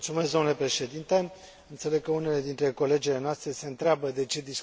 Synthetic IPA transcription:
tsume̞sd̪onule̞pɾe̞ʃe̞d̪int̪e̞ | ɨnt̪se̞le̞ɡ̚kəune̞le̞d̪int̪ɾe̞ko̞le̞d͡ʒile̞noast̪ɾe̞se̞ɨnt̪ɾeabəd̪e̞t͡ʃe̞d̪is

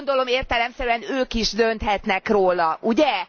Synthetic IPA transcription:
nd̪o̞lo̞meːrt̪ɛlɛmsɛɾyɛnøːkiʒd̪ø̞nt̪hɛt̪nɛkroːlɒʔuɟɛ

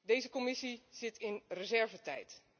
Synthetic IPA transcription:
dejzəkomɪsiz̥ɪtʰɪnrəzɛɹvətɛ̰jt

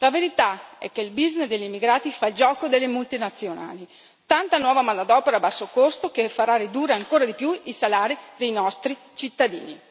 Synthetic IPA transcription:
laveɾit̪aɛ̰kːeilbiznesd̪eʎːimːiɡɾaːt̪ifad͡ʒɔːkod̪elːemult̪inat̪sːjona̰ːli | t̪ant̪anwɔːvamanːad̪ɔːpeɾabasːokost̪okefːaɾarid̪uːrːeaŋkoːɾad̪ipjuisalaːɾid̪ejnɔst̪ɾi | t͡ʃit̪ːad̪ḭːnḭ

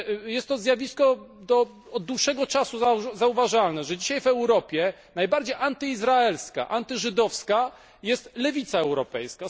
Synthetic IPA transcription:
jɛst̪ːɔzʲjavʲiskɔ | d̪ɔ | ɔd̪̚d̪wuʂɛɡɔt͡ʂasuzazauvaʐalnɛʐɛd͡ʑiɕajvɛwɾɔpʲjɛ | najbaɾd͡ʑejʔant̪ɘizɾaɛlska̰ʔant̪ɘʐɘd̪ɔfska | jɛst̪lɛvʲit̪saɛwɾɔpɛjska

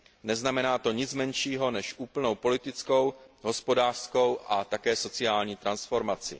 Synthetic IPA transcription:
nɛznamɛnaːt̪o̞ɲɪt͡smɛnʃiːɦo̞nɛʃʔuːpl̩no̞wpo̞lɪt̪ɪt͡sko̞wɦo̞spo̞daːr̥sko̞wʔat̪akɛːso̞t͡sɪaːlɲiːt̪ɾansfo̞ɾmat͡sɪ̰

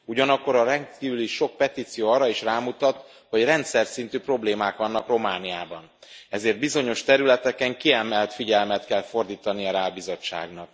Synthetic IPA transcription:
uɟɒnɒkːo̞ɾɒɾɛnt̪kiːvyliʃo̞k̚pɛt̪iːt̪sijoːɒːɾɒiʃraːmut̪ɒt̪ | ho̞ɟrɛnt̪sɛrsint̪yːpro̞bleːmaːkʋɒnːɒkro̞maːnijaːbɒn | ɛzeːrd̪bizo̞ɲo̞ʃt̪ɛɾylɛt̪ɛkɛŋkiɛmɛlt̪fiɟɛlmɛt̪kɛlfo̞rd̪iːt̪ɒniɒɾaːbizo̞t͡ʃːa̰ːɡnɒk̚

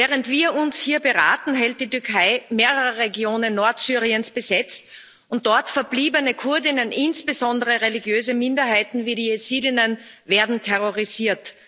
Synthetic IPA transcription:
vɛːʁəntv̥iːɐʊnshiːɐbəʁa̰ːtn̩ɦɛlt̚d̥iːtʏɐkʰaɪmeːʁəʁəʁeɡjoːnənːɔɐtsyːʁiənsb̥əzɛt͡st | ʔʊnt̚d̥ɔɐtfɛɐbliːbənəkʰʊɐdɪnənʔɪnsb̥əzɔndəʁəʁeliɡjøːzəmɪndɐhaɪtn̩viːɾiːesiːdɪnənveːɐdn̩tʰɛʁoʁiziːɐt

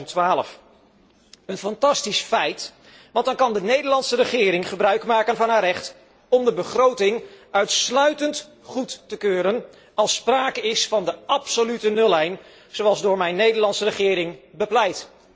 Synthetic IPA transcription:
ntʋaːlə̰f | ənfɑntɑstisfɛjt | ʋɑntdɑnkɑndənejdəɹlɑnsərəχɪːɾɪŋχəbrœɥkmaːkənvɑnɦaːɾɛχt | ɔmdəbəχrowtɪŋœɥtslœɥtənt | χutːəkøːɾən | ɑlˠspraːkəɪsfɑndəɑpsolytənɵlˠɛjn | z̥owɑlˠzdʊːɹmɛjnejdəɹlɑntsərəχɪːɾɪŋbəplɛjt

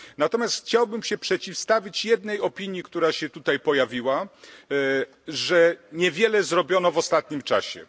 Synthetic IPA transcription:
nat̪ɔmʲjast̪xt͡ɕawbɘmɕɛpʂɛt͡ɕifst̪avʲit͡ɕjɛd̪nɛjɔpʲiɲjikt̪uɾaɕɛt̪ut̪ajpɔjavʲiwa | ʐɛɲɛvʲjɛlɛzɾɔbʲjɔnɔvɔst̪at̪̚ɲimt͡ʂaɕɛ̰

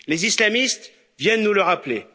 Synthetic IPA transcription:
lezislamist̪ | vjɛnːuləʁaple

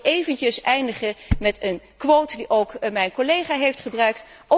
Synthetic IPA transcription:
ejvəncəsɛjndəχəmɛtən | kʋowtdiʔowkmɛjnkolejχaːɦejftχəbrœɥk̚t | ʔɔ

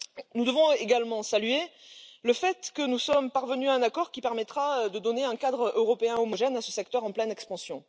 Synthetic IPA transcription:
nud̪əvɔ̃eɡalmɑ̃salɥeləfɛt̪kənusɔmpaʁvənyaɛ̃nakɔʁkʲipɛʁmɛt̪χaød̪əd̪ɔneɛ̃kad̪ʁøʁɔpeɛ̃ɔmɔʒɛnasəsɛk̚t̪œʁɑ̃plɛnɛkspɑ̃sjɔ̃

